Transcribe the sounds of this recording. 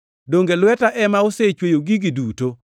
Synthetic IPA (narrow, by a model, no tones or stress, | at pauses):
doŋɡelwɛtaʔɛmaoset͡ʃwejoɡiɡiduːto